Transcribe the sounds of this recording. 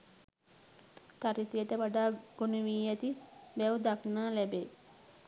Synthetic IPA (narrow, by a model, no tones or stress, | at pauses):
t̪aɾit̪ijət̪əʋaɖaːɡ̥onuʋiːɛt̪ibɛwd̪aknaːlæbe